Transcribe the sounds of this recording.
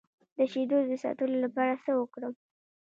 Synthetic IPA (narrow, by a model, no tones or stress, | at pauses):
d̪əʃed̪od̪əsɑ̰t̪əlolapɑɾasəwəkɽə